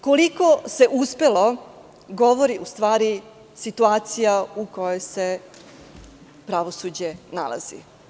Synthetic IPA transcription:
kolikose̞ʔuspe̞lo̞ | ɡo̞ʋo̞ɾiʔust̪ʋaːɾi | sit̪uaːt̪sijauko̞jojse | pɾaʋosud͡ʑena̰la̰z̥ḭ

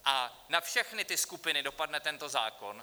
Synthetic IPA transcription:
ʔa | nafʃɛxnɪt̪ɪskupɪnɪdo̞padnɛt̪ɛnt̪o̞za̰ːkon

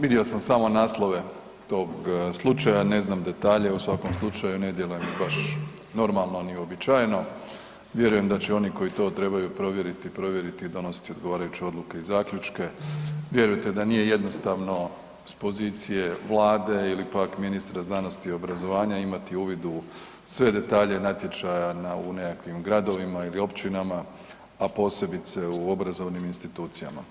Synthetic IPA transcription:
ʋid̪io̞samsaːmo̞naːslˠo̞ʋe̞ | t̪o̞ɡslˠut͡ʃajane̞znamd̪e̞t̪aːʎe̞usʋako̞mslˠut͡ʃajune̞d̪je̞lujembaʃ | no̞ɾmalˠno̞nio̞bit͡ʃaːjno̞ | ʋje̞ɾuje̞md̪at͡ɕeo̞niko̞it̪o̞ːt̪ɾe̞bajupɾo̞ʋje̞ɾit̪ipɾo̞ʋje̞ɾit̪iːd̪o̞no̞si̥t̪io̞d̪ɡoʋaːɾajut͡ɕeo̞d̪lˠuke̞izaːkʎut͡ʃke̞ʋje̞ɾujt̪e̞d̪anije̞je̞d̪no̞st̪aʋno̞ | spo̞zit̪sije̞ʋlˠaːd̪e̞ilipakminist̪ɾaznano̞st̪io̞bɾazo̞ʋaːɲaimat̪iuːʋid̪u | sʋe̞d̪e̞t̪aːʎe̞nat̪je̞t͡ʃajanaune̞kakʋimɡɾad̪o̞ʋimailio̞pt͡ʃinama | apo̞ːse̞bit̪se̞uo̞bɾazo̞ʋniminst̪it̪uːt̪sija̰ma

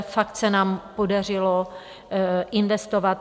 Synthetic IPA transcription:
fakt̪sɛnaːmpodar̝ɪlo | ʔɪnvɛst̪ovat̪

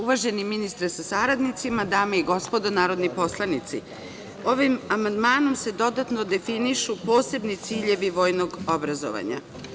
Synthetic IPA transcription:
uʋaʒe̞niminist̪ɾesasaɾad̪nit̪simad̪aːmeiɡo̞spo̞d̪onaːɾo̞d̪nipo̞slˠanit̪sḭ | o̞ʋimamand̪maːno̞mse̞d̪o̞d̪at̪no̞d̪e̞finiʃupo̞ːse̞bnit̪siːʎe̞ʋiʋo̞ːjno̞ɡobɾazo̰ʋa̰ɲa̰

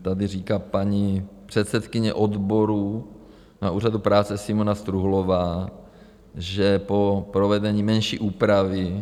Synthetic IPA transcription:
t̪adɪriːkaːpaɲipr̥ɛt̪sɛt̪kɪɲɛ̰ʔod̪boɾu | naʔuːradupɾaːt͡sɛsɪmonast̪ɾuɦlovaː | ʒɛpo̞pɾovɛdɛɲiːmɛnʃḭːʔuːpɾavɪ

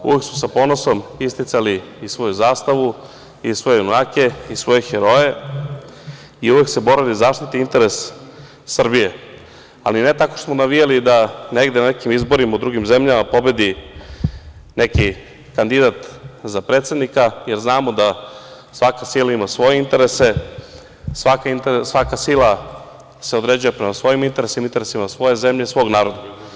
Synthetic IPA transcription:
ṵʋe̞ksmosapo̞noso̞mist̪it̪saliː | sʋo̞juzaːst̪aʋu | isʋo̞jejunaːke̞isʋo̞jexeɾo̞je̞ | iuʋe̞kse̞bo̞ɾalizaːʂt̪it̪iint̪eɾesː | r̩bije | a̰linet̪ako̥smonaʋijelid̪aneɡd̪enanekimizbo̞ɾimaud̪ɾuɡimzemʎamapo̞be̞d̪i | ne̞ki | kand̪id̪at̪zapɾeːt̪sed̪nikaje̞ɾznaːmod̪a | sʋakasilaimasʋo̞jeint̪e̞ɾese̞ | sʋakaint̪sʋakasilˠa | seod̪ɾed͡ʑujapɾemasʋo̞jimint̪e̞ɾesimint̪eɾesimasʋo̞je̞zemʎesʋo̞ːɡnaːɾo̞d̪a

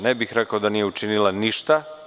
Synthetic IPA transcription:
nebixɾekaod̪aniːje̞ut͡ʃinilˠaniʃt̪a

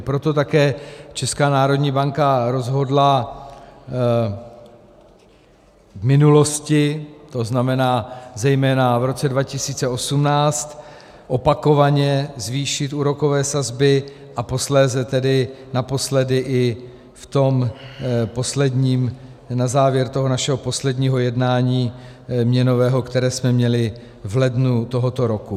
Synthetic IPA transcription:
pɾo̞t̪o̞t̪akɛːt͡ʃɛskaːnaːɾo̞dɲiːbaŋkaɾo̞zɦo̞dla | vmɪnulo̞scɪt̪o̞znamɛnaːzɛjmɛːnavɾo̞t͡sɛdvacɪsiːt͡sɛo̞sumnaːt͡st̪ | ʔo̞pako̞vaɲɛzviːʃɪt̪uːɾo̞ko̞vɛːsazbɪ | ʔapo̞slɛːzɛt̪ɛdɪnapo̞slɛdɪʔɪ | ft̪o̞m | po̞slɛdɲiːm | nazaːvjɛɾt̪oɦo̞naʃɛɦo̞po̞slɛdɲiːɦo̞jɛdnaːɲiː | mɲɛno̞vɛːɦo̞kt̪ɛɾɛːsmɛmɲɛlɪ | vlɛdnut̪o̞ɦo̞t̪o̞ɾo̞ku

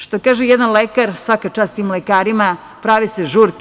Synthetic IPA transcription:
ʃt̪okaːʒejɛd̪anlekaɾsʋakat͡ʃaːst̪t̪iːmlekaːɾima | pɾaʋiseʒuɾk

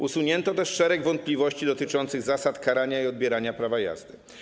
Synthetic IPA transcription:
usuɲɛnt̪ɔt̪ɛʂʂɛɾɛɡvɔnt̪̚plʲivɔɕt͡ɕid̪ɔt̪ɘt͡ʂɔnt̪sɘɣzasat̪kaɾaɲaiɔd̪̚bʲjɛɾaɲapɾavaja̰zd̪ɘ

